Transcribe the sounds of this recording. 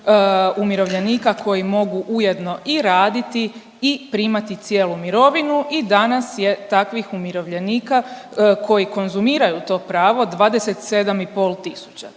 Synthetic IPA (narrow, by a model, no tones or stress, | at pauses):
umiɾo̞ʋʎe̞niːkakʰo̞jimo̞ɡuʔuje̞d̪no̞ʔiɾaːd̪it̪i | ipɾiːmat̪it̪sjeːlumiɾo̞ʋinuid̪anasje̞t̪akʋixumiɾo̞ʋʎe̞niːkakʰo̞jiko̞nzumiːɾajut̪o̞ːpɾaːʋo̞d̪ʋaːd̪eset̪se̞d̪amipo̞ːlˠt̪isu̥t͡ɕa